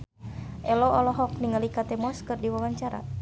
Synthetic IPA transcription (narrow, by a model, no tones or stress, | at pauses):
ʔɛlɔɔlɔɦɔk̚niŋalikat̪ɛmɔskɨrdiwawaɲt͡ʃaɾa̰